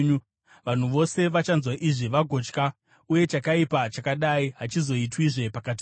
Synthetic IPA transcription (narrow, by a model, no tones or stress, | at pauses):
ʋan̤uʋo̞se̞ʋat͡ʃanzwaʔiʐiʋaɡʱo̞t͡ʃka | uje̞t͡ʃakaipat͡ʃakaɗaiɦat͡ʃizo̞itwiʐe̞pakati